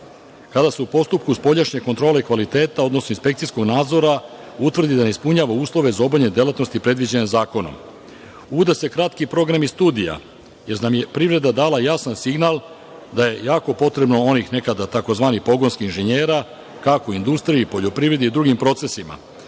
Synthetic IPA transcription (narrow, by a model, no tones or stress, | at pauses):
kad̪aseupo̞st̪up̚kuspo̞ʎaʃɲe̞ko̞nt̪ɾo̞ːle̞ikʋalit̪e̞ːt̪ao̞d̪no̞snoinspekt̪sisko̞ɡnaːd̪zo̞ɾa | ut̪vr̩d̪id̪aneispuɲaːʋauːslˠo̞ʋe̞zao̞baʎɲed̪e̞lˠat̪nost̪ipɾe̞d̪ʋid͡ʑenezaːko̞no̰m | ud̪ase̞kɾat̪kipɾo̞ɡɾamist̪uːd̪ija̰ | jeɾnamje̞pɾivɾe̞d̪ad̪aːlajasansiɡnaːl | d̪aje̞jaːko̞po̞t̪ɾe̞bno̞onixne̞kad̪at̪ako̞zʋaːnixpo̞ɡo̞nskiinʒeɲeːɾa | kako̞ind̪ust̪ɾijuipo̞ʎo̞pɾiːvɾe̞d̪id̪ɾuɡimpɾo̞t̪se̞sima̰